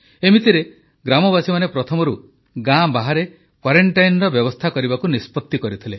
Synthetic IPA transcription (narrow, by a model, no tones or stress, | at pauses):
emit̪iɾe | ɡɾamɔbasimanepɾɔt̪ʰɔmɔɾu | ɡãbaɦaɾe | kwaɾeɳʈajnɾɔbjɔbɔst̪ʰakɔɾibakunispɔt̪ːikɔɾit̪ʰile